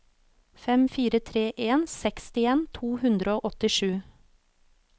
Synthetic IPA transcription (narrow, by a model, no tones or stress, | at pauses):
fɛmfiːɾət̪ʰɾeːʔeːnsɛkst̪ɪeːnt̪ʰuːhʉnd̪ɾəoːʔɔt̪ɪʃʉː